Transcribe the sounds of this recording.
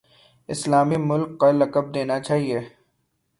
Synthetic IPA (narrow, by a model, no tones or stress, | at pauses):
ɪslaːmimʊlkːalɐkəb̚d̪eːnat͡ʃaːɦieː